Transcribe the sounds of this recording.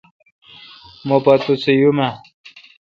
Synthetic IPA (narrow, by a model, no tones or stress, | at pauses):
mopat̪ut͡sʰijuma